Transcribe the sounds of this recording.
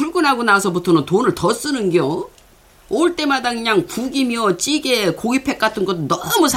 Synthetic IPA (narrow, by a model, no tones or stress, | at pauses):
puɭɡunɦaɡonasʰʌbutʰʌnɯntonɯɭtʌs͈ɯnɯnɡjo | oɭt͈e̞madakɯɲaŋpuɡimjʌt͡ɕ͈iɡe̞koɡipʰe̞k͈atʰɯnɡʌt̬͈ːonʌmusʰ